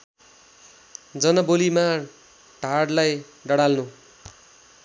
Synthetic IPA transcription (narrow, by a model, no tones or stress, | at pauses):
d͡zʌnʌbolima | ɖʱaɽlaj | ɖʌɽalnu